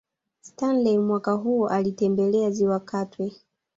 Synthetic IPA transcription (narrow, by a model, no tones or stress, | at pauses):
stanlɛmwakaɦuʔalitɛmbɛlɛaziwakatwɛ